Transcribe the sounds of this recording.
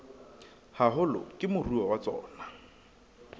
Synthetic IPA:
haɦʊlʊ̰kʼɪmʊruɔwat͡sɔ̰ːna

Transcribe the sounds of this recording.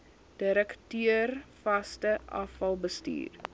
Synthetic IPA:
d̥iɾəktyərfɐstəʔɐ̰fɐlˠbəstḭːr

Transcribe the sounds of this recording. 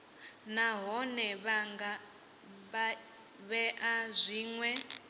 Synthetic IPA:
naɦɔnɛβaŋɡa | βɛʔazʷiːŋwɛ

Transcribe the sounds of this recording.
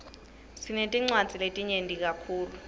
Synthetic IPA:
sinetʼiŋ͡ǀwad̥d͡z̥ʱiletʼiɲendʱik̬ʼakʰuːlu

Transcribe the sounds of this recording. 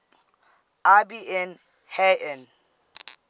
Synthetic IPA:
abiɛn | hɛʔɛn

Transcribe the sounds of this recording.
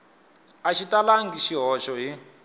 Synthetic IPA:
aʃitalaŋɡiʃiɦɔʃɔɦi

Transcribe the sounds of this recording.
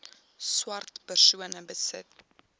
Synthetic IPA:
swɐrtpərsuənəbəsə̰t̚

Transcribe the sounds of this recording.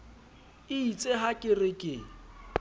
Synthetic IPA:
ɪit͡sʼeɦakʼɪrɪkʼɪ

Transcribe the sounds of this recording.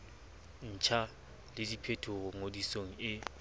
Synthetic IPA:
n̩t͡ʃʰa | lɪdipʰetʰoɣʊŋodisoŋ̩ɪ

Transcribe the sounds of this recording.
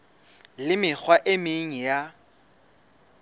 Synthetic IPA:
lɪmɪk͡xwaʔɪmɪŋ̩ja

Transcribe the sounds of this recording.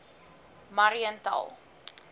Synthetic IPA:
maɾiəntɐ̰lˠ

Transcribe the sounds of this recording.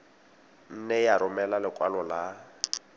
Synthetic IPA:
n̩nɛjaɾʊmɛlalɪkʼwalɔla

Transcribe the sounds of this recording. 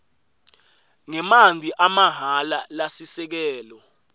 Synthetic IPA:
ŋɛmand͡zʱiʔamaɦalalasisɛk̬ɛːlɔ

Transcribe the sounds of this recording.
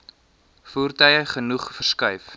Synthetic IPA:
fuːrtœjəχənuχfərskœɥf

